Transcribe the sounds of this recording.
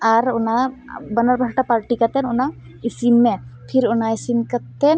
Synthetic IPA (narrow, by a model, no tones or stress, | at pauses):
aɾʊnabənaɾbʱaɾʈapaɾʈikat̪ɛnʊna | isimːɛpʰiɾʊnaisimkat̪ɛn